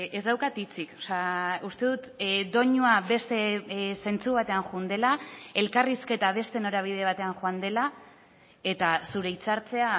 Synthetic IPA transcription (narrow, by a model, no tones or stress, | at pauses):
ezd̪awkat̪it͡sikosaust̪e̞ðut̪d̪o̞ɲuaβe̞st̪e̞se̞nt͡suβat̪e̞aŋʝund̪e̞lae̞lkariske̞t̪aβ̞e̞st̪e̞no̞ɾaβ̞ið̞e̞β̞at̪e̞anʝoand̪e̞la | e̞t̪asuɾe̞it͡saɾt͡se̞a